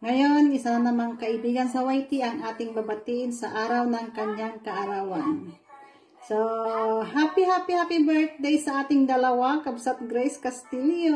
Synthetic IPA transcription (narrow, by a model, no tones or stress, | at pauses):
ŋɐjonɪsanɐmaŋkɐʔɪbiːɡɐnsɐwajt̪ɪʔɐŋʔaːt̪ɪŋbɐbɐt̪iʔɪnsɐʔaːɾawnɐŋkɐɲaŋkɐʔɐɾawan | soɦapihapihapibɛɹt̪̚d̪ɛjsɐʔaːt̪ɪŋd̪ɐlɐwakɐbsat̪̚ɡɾɛjskɐst̪iljo